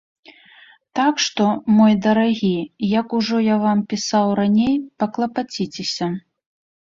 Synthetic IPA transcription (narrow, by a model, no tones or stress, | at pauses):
t̪akʂt̪ɔmɔjd̪ɐɾaɣʲijɐkuʐɔjavampʲisawɾanʲejpɐklˠɐpat͡sʲit͡sʲesʲɐ